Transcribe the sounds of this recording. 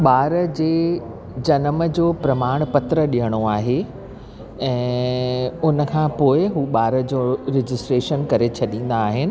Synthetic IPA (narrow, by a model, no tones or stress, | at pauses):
ɓaːɾəd͡ʑeː | d͡ʑɐnəməd͡ʑoːpɾɐmaːɽ̃pɐt̪ɾəɗijəɽ̃oaːɦe | ɛ̃ː | ʊnə̆kʰãːpoːɪɦuːɓaːɾə̆d͡ʑoːɾɪd͡ʑɪsʈɾeːʃənkɐɾet͡ɕʰɐɗĩːn̆d̪aːɦɪnɪ̆